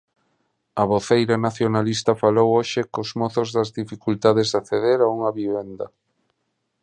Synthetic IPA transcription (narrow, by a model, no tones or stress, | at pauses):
ɐβoθejɾanaθjonalist̪ɐfalowoʃɪkozmoθʊzðɐzðifikult̪að̞ezðaθeðeɾauŋɐβiβend̪ɐ